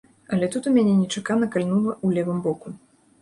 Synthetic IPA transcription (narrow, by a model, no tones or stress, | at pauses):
ɐlʲɛt̪ut̪umʲanʲɛnʲɛt͡ʂakanɐkalʲnulˠɐulʲɛvɨmbɔku